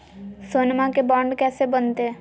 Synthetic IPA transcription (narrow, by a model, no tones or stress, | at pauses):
soːnmãkebɔ̃ːɳɖkɛːsebənt̪e